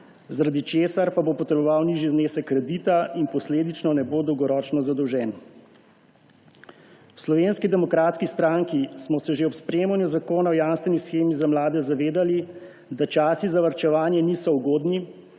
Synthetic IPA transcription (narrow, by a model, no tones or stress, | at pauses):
zaɾad̪it͡ʃeːsaɾpabopɔt̪ɾɛbɔʋawniʒizneːsɛkːɾɛd̪it̪ainpɔsleːd̪it͡ʃnɔnɛboːd̪ɔwɡɔɾɔːt͡ʃnɔzad̪ɔwʒɛːn | wslɔʋeːnskid̪ɛmɔkɾaːt̪skist̪ɾaŋkismɔsɛʒeɔpspɾeːmanjɔzakoːnawjanst̪ʋɛnisxeːmizamlaːd̪ɛzaʋeːd̪ali | d̪at͡ʃaːsizaʋaɾt͡ʃɛʋaːnjɛnisɔuɡoːd̪ni